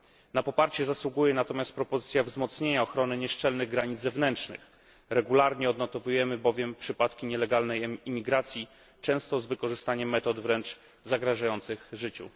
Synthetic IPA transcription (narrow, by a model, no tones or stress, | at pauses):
napɔpaɾt͡ɕɛzaswuɡujɛnat̪ɔmʲjast̪̚pɾɔpɔzɘt̪sʲjavzmɔt̪sɲeɲaɔxɾɔnɘɲɛʂt͡ʂɛlnɘɣɡɾaɲid̪zɛvnɛntʂnɘ̰x | ɾɛɡulaɾɲɛɔd̪nɔt̪ɔvujɛmɘbɔvʲjɛmpʂɘpat̪kʲiɲɛlɛɡalnɛjimʲiɡɾat̪sʲji | t͡ʂɛ̃w̃st̪ɔzvɘkɔʐɘst̪aɲɛmːɛt̪ɔd̪vɾɛnt͡ʂ | zaɡɾaʐajɔnt̪sɘɣʐɘt͡ɕṵ